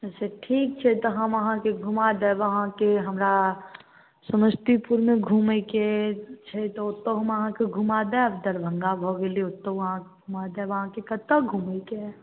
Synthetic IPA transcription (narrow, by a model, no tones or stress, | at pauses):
ɛːseʈʰiːk̚t͡ʃʰɛt̪oɦɐməɦãkeɡʱumad̪eʋɐɦãkeɦɐmɾa | səməst̪ipuɾmeɡʱuːmeket͡ʃʰɛt̪oʊt̪ːoɦɐməɦãkeɡʱumad̪ɛ̃ɐbd̪əɾbʱə̃ŋɡabʱoɡelieʊt̪ːoəɦãkeɡʱumad̪eʋɐɦãkekət̪ːəɡʱuːmeke